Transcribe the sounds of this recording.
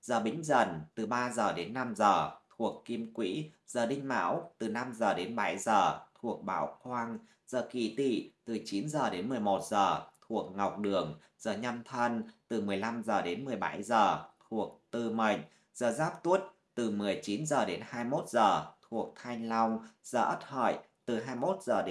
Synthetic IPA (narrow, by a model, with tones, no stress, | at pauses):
zəː˨˩ɓï˨˦ŋ̟zə˧˩nt̪ɨ˨˩ɓaː˧zəː˨˩ɗe˨˦nːa˧mzəː˨˩t̪ʰu˨˩əkːi˧əmkwḭ˧˥ | z̥əː˨˩ɗï˧ŋ̟ma̰ː˧˥wt̪ɨ˨˩na˧mzəː˨˩ɗe˨˦nɓa˧˩jzəː˨˩t̪ʰu˨˩ək̚ɓa̰ː˧˥wkwaː˧ŋ | z̥əː˨˩kḭ˧˩t̪ḭ˧˩˨t̪ɨ˨˩t͡ɕi˨˦nzəː˨˩ɗe˨˦nmɨ˨˩əjmo˨˩t̚zəː˨˩t̪ʰu˨˩ək̚ŋa˨˩wk͡p̚ɗɨ˨˩əŋ | z̥əː˨˩ɲa˧mt̪ʰə˧nt̪ɨ˨˩mɨ˨˩əjla˧mzəː˨˩ɗe˨˦nmɨ˨˩əjɓa̰˧˩jzəː˨˩t̪ʰu˨˩ək̚t̪ɨ˧mə˨˧˩jŋ̟̚ | z̥əː˨˩zaː˦˥p̚t̪u˦˥ət̚ | t̪ɨ˨˩mɨ˨˩əjt͡ɕi˨˦nzəː˨˩ɗe˨˦nhaː˧jmo˦˥t̚z̥əː˨˩t̪ʰu˨˩ək̚t̪ʰa˧jŋla˧wŋ͡mz̥əː˧˩ʔə˦˥t̚hə̰˧˨j | t̪ɨ˨˩ɦaː˧jmo˦˥t̚z̥əː˨˩ɗ